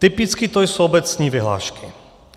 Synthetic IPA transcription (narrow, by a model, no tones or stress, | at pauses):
t̪ɪpɪt͡skɪt̪ojsoʔobɛt͡sɲiːvɪɦla̰ːʃkɪ